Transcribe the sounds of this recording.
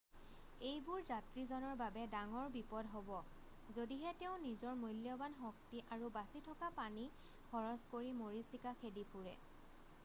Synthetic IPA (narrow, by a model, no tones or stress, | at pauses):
ejbʊɹzatɹizɔnɔɹbabɛdaŋɔɹbipɔdɦobɔ | zodiɦɛtɛʊ̃nizɔɹmojljɔbanɦɔk̚tiʔaɹubasitʰɔkapani | kʰɔɹɔskoɹimoɹisikakʰedipuɹɛ̰